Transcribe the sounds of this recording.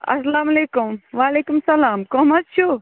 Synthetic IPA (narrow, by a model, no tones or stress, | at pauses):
ɐ̰slaːmɐleːkumʋaːleːkumsɐlaːmkomɐst͡ʃʰu